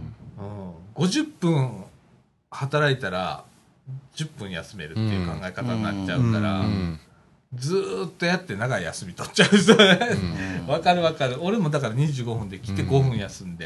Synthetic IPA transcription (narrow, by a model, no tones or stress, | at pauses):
ɯ̟̃ːɡo̞ʑɨpːɯ̃ɰ̃ | hat̪aɾait̪aɾa̰ | d͡ʑɨpːɯ̟̃ɰ̃ja̰sɨme̞̰ɾɯ̟t̪ːeiɯ̟kãŋɡaekat̪annat͡ɕaɯ̟̃aɾa̰ | d͡zɨːt̪ːo̞jat̪ːe̞naɡaija̰sɨmʲit̪o̞tt͡ɕaɯsoeβakaɾɯ̟βakaɾɯ̟o̞ɾe̞mo̞d̪akaɾaɲ̟iʑɨːɡo̞ɸɯ̟nd̪e̞kʲi̥t̪ːe̞ɡo̞ɸɯ̟̃ɰ̃jasɨ̃nd̪e̞